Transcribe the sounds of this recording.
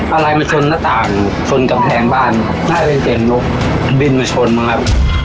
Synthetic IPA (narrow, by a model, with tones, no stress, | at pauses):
ʔa˧ɾa˧jma˧t͡ɕʰo˧nːaː˥˩t̪aː˨˩ŋ | t͡ɕʰo˧nka˧mpʰɛː˧ŋbaː˥˩n | naː˥˩pe˧nke˨˩ŋɲo˦˥˩k̚ | bi˥˩nma˧˩t͡ɕʰo˧nma˧˩kʰa˦˥p̚